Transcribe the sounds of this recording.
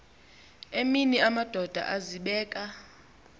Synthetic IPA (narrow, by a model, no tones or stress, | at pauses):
eminiamad̥ʱɔd̥ʱa̰ʔaziɓɛːkʼa